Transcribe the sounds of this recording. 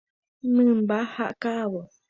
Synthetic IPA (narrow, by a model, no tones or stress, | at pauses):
mɨmbaha̰ʔkawɔ